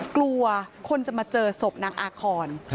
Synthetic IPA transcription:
klu˧ɐkʰo˧nt͡ɕa˨˩maː˧t͡ɕɤː˧so˨˩p̚naː˧˥ŋʔaː˧kʰɔː˧n

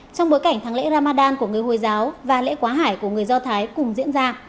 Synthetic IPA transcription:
t͡ɕɔ˧wŋ͡mɓo˨˦jka˧˩jŋ̟t̪ʰaː˨˦ŋlḛ˧˥ɾaː˧maː˧ɗaː˧nku˧˩əŋɨ˨˩əjho˨˩jzaː˨˦wvaː˨˩lḛ˧˥kwaː˨˦ɦaː˧˩jku˧˩əŋɨ˨˩əjzɔ˧t̪ʰaː˨˦jkʊ˨˩ŋ͡mzḭ˧˥ənzaː˧

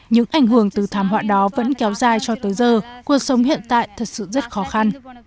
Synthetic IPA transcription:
ɲɨ̰˧˥ŋʔa˨˩jŋ̟ɦɨ˧˩əŋt̪ɨ˨˩t̪ʰaː˨˦mɦwa̰ː˧˨ɗɔ˨˦və̰˧˥nkɛ˨˦wzaː˨˩jt͡ɕɔ˧t̪əː˨˦jzəː˧˩ku˨˩ək̚sə˨˦wŋ͡mhḭ˧˨ənt̪a̰ː˧˨jt̪ʰə˨˩t̚sɨ̰˧˨zə˦˥t̚xɔ˨˦xa˧n

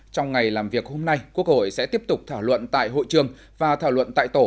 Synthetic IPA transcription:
t͡ɕɔ˧wŋ͡mŋa˨˩jlaː˨˩mvi˨˩ək̚ho˧mna˧jkku˦˥ək̚ho̰˧˨jsɛ̰˧˥t̪i˦˥əp̚t̪ʊ˨˩k͡p̚t̪ʰaː˧˩wlwə̰˧˨nt̪a̰ː˧˨jɦo̰˧˨jt͡ɕɨ˨˩əŋ | vaː˨˩t̪ʰaː˧˩wlwə̰˧˨nt̪a̰ː˧˨jt̪o˧˩

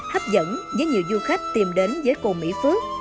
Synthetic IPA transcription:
haː˦˥p̚zə̰˧˥˨nzəː˨˦jɲi˨˩əwzu˧xa˦˥jk̟̚t̪i˨˩mɗe˨˦nzəː˨˦jko˨˩mḭ˧˥fu˨˦

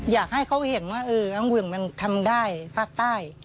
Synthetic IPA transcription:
jaː˨˩k̚ha˥˩jkʰa˦˩whe˨˩˦nwaː˥˩ʔɤː˧ʔa˧˥wɯ˧˩əŋma˧nt̪ʰa˧mdaː˥˩jpʰaː˥˩k̚t̪aː˥˩j

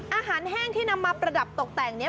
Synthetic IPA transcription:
ʔaː˧ɦaː˩˦nhɛː˥˩ŋt̪ʰiː˥˩na˧mːaː˧pɾa˧da˨˩p̚t̪o˨˩k̚t̪ɛː˨˩ŋni˦˥ɐ

